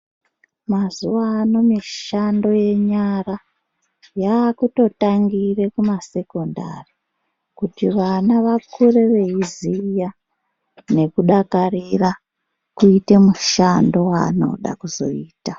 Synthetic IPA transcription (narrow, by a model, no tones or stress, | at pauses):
mazuʋaːno̞miʃando̞je̞ɲara | jaːkuto̞taŋɡire̞kumase̞ko̞nda̰ri | kutiʋanaʋakʰure̞ʋe̞izija | ne̞kuɗakarira | kuite̞muʃando̞wa̰no̞̰ɗa̰kuzo̞̰iːta